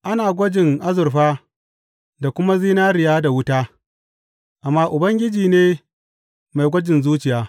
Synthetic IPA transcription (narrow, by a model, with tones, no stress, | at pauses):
ʔa˦naː˨ɡʷɐ˦d͡ʒɪ˨ŋʔa˦zʊ˨rɸaː˦ | da˨kʷʊ˦ma˦ziː˦naː˦ɾɪ˨jaː˦da˨wʊ˦taː˦ | ʔa˨mːaː˦ʔʊ˨bɐ˦ŋɡʲɪ˦d͡ʒiː˨neː˦ | ma˨jɡʷɐ˦d͡ʒɪ˨nzuː˦t͡ʃɪ˨jaː˨˦